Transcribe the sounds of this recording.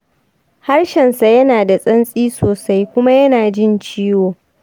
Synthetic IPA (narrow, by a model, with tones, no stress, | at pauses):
ha˦rʃɛ˨nsa˨jɐ˦naː˨da˨sʼɐ˦nsʼiː˦soː˨sa˦jkʷʊ˦ma˦jɐ˦naː˨d͡ʒɪ˦˨nt͡ʃiː˦woː˨